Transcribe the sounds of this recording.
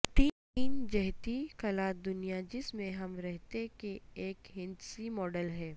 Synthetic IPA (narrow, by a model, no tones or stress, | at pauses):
t̪iː | iːnd͡ʒɛɦt̪ikɐlaːt̪̚d̪ʊnijad͡ʒɪsmẽɦɐmɾɛɦt̪ekeeːkɦɪ̃nd͡ʒ̪simɔːɖəlɦɛː